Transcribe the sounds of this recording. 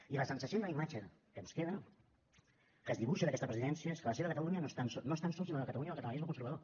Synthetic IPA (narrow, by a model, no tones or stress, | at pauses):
iləsənsəsiond̪əlimat͡ʃə | kənskeðə | kəzðiβuʃəðəkɛst̪əpɾəziðɛnsiəeskələseðəkət̪əluɲənost̪ansɔnoest̪ansɔlsinoðəkət̪əluɲəðkət̪ələnizməkunsəɾβəð̞o